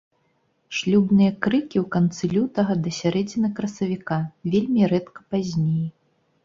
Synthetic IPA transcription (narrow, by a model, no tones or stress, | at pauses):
ʂlʲubnɨjɐkɾɨkʲiwkant̪sɨlʲut̪ɐɣɐd̪ɐsʲaɾɛd͡zʲinɨkɾɐsɐvʲikavʲelʲmʲiɾɛt̪kɐ̥pazʲnʲej